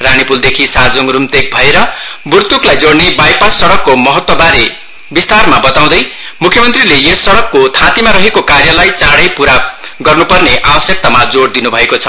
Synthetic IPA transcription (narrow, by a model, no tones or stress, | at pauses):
rañipuld̪ekʰisad͡zoŋrumt̪ek̚bʱʌeɾʌburt̪uklajd͡zoɽnebajpasʌɽʌkːomʌɦʌt̪wʌbaɾe | bist̪armabʌt̪aw̃d̪ʌj | mukʰjʌmʌnt̪rilejesʌɽʌkːot̪ʰãt̪imaɾʌɦekokarjʌlajt͡saɽʌjpuɾaɡʌrnupʌrneʔabʌsjʌk̚t̪amad͡zoɽd̪inubʱʌekot͡sʰʌ̥